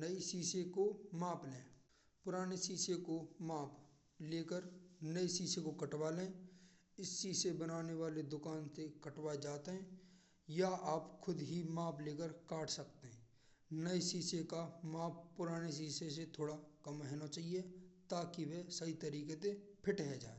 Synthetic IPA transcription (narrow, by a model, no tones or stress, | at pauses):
nəisiːsekomaːplẽː | pʊɾaːnesiːsekomaːpʰ | leːkəɾnəisiːsekokəʈwaːlẽː | ɪsːiːsebənaːneʋaːled̪ʊkaːnsekəʈʋaːed͡ʒaːt̪eɦɛ̃ː | jaaːpkʰʊd̪ɦimaːpleːkəɾkaːʈʰsɐkt̪eɦɛ̃ː | nəesiːsekamaːp̚pʊɾaːnes̬iːses̬et̪ʰoːɽakɐmɦɛːnat͡ʃaːɦiet̪aːkiwesəit̪əɾiːket̪epʰɪʈɦɛd͡ʒa̰ːe